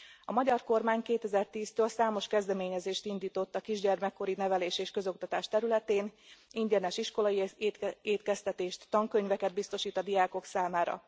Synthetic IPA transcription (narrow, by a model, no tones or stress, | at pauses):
ɒmɒɟɒrko̞rmaːɲkeːt̪ɛzɛrt̪iːst̪øːlsaːmo̞ʃkɛzd̪ɛmeːɲɛzeːʃt̪ind̪iːt̪o̞t̪ːɒkiʒɟɛrmɛkːo̞ɾinɛvɛleːʃeːʃkø̞zo̞k̚t̪ɒt̪aːʃt̪ɛɾylɛt̪eːniɲɟɛnɛʃiʃko̞lɒjieːt̪kɛst̪ɛt̪eːʃt̪ːɒŋkø̞ɲvɛkɛd̪̚bist̪o̞ʃiːt̪ɒd̪ijaːko̞ksaːmaːɾɒ̰